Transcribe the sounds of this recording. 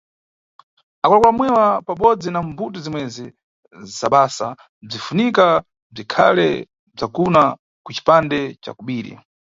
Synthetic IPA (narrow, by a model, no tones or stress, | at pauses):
akulakulamwɛwapaɓɔd͡zinambutizimwɛzi | zaɓaːsa̰ | b͡ʐifunika | b͡ʐikʰa̰lɛ | b͡ʐakuna | kut͡ʃi̥pandɛt͡ʃa̰kuɓiːɾḭ